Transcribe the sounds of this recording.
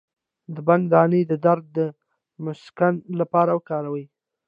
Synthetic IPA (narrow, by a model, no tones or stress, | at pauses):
d̪əband̪ɑnəd̪əd̪aɾd̪̚ːə | mʊskanlapɑɾawəkɑɾawəj